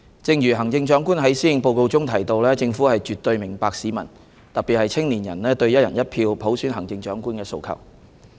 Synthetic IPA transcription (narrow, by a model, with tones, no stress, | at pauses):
t͡sɪ˧ŋjyː˨˩ɦɐ˨˩ŋt͡sɪ˧ŋt͡ʃœː˨˥ŋkuː˥nɦɐ˨˥jsiː˥˩˨ŋpo˧wko˧wt͡sʊ˥ŋt̪ʰɐ˨˩jt̪o˧wlɛː˥t͡sɪ˧ŋfu˨˥hɐ˨jt͡ʃyː˨t̪ːɵ˧ɥmɪ˨˩ŋpaː˧k̚siː˨˥mɐ̰˨˩n | t̪ɐ˨k̚pi˨t̚hɐ˨jt͡sʰɪ˥ŋliː˨˩njɐ̰˨˩nlɛː˥t̪ɵ˧ɥjɐ˥t̚jɐ˨˩njɐ˥t̚pʰiː˧wpʰo˨˥wsyː˨˥nɦɐ˨˩ŋt͡sɪ˧ŋt͡ʃœː˨˥ŋkuː˥nkɛː˧so˧wkʰɐ̰˨˩w